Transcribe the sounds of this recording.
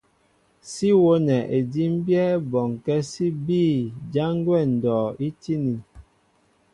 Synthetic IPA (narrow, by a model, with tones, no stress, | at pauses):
si˦wo˦nɛ˨ʔe˨di˦m̩˦bjɛ˦bɔ˨ŋkɛ˦si˦biː˦˨d͡ʒa˦ŋ˦ɡwɛ˦˨n̩˨dɔː˨i˦ti˦ni˨n